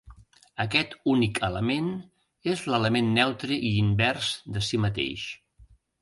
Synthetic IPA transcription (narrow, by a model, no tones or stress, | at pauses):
əkɛt̪unikʰələmen | ezlələmenːɛwt̪ɾəʔiːmbɛɾzd̪əsimət̪ḛʃ